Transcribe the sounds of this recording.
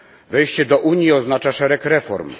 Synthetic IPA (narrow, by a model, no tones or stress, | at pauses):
vɛjɕt͡ɕɛd̪ɔʔuɲjiɔznat͡ʂaʂɛɾɛkɾɛfɔɾm